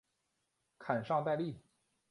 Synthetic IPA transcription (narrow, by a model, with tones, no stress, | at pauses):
kʰa˨˩nʂɑ˥˧ŋt̪a˥˧ɪli˥˩